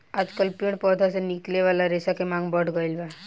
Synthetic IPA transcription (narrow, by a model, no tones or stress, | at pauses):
aːd͡ʒkəlpəɽpɔːd̪ʱasenɪkleʋaːlaɾeːsakemãːŋɡbɔʈɡilba